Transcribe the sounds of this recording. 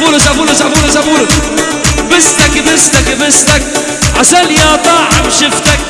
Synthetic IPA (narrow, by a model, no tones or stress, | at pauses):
uːlʊsʔafuːlʊs̬ʔafuːlʊs̬ʔafuːlʊs | bɪst̪akbɪst̪akbɪst̪ak̚ | ʕaʃænjaːt̪ˤɑːʕamʃɪft̪ak̚